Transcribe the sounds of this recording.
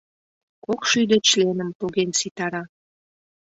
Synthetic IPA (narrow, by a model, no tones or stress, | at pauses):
kokʃyd̪et͡ɕlenəmt̪oɣensit̪ɑɾɑ